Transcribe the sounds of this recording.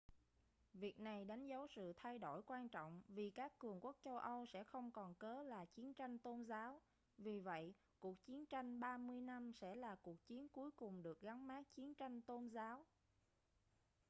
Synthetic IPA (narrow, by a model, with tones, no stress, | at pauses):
vi˨˩ək̚na˨˩jɗa˨˦jŋ̟zə˨˦wsɨ̰˧˨t̪ʰa˧jɗo̰˧˩jkwaː˧nt͡ɕɔ̰˧˨wŋ͡mvi˨˩kaː˦˥kːɨ˨˩əŋku˦˥k̚t͡ɕə˧wʔə˧wsɛ̰˧˥xə˧wŋ͡mkɔ˨˩nkəː˨˦laː˨˩t͡ɕi˨˦ənt͡ɕa˧jŋ̟t̪o˧nzaː˨˦w | vi˨˩və̰˧˨j | ku˨˩ək̚t͡ɕi˨˦ənt͡ɕa˧jŋ̟ɓaː˧mɨ˧əjna˧msɛ̰˧˥laː˨˩ku˨˩ək̚t͡ɕi˨˦ənku˨˦jkʊ˨˩ŋ͡mɗɨ˨˩ək̚ɣa˨˦nmaː˦˥k̚t͡ɕi˨˦ənt͡ɕa˧jŋ̟t̪o˧nzaː˨˦w